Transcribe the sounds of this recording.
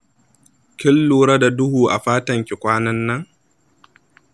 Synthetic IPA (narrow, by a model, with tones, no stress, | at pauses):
kʲɪ˦lːuː˨ɾa˦da˨dʊ˦huː˨ʔa˨ɸaː˦tɐ˨ŋkʲɪ˨kʷʼaː˦nɐ˦nːɐ˦ŋ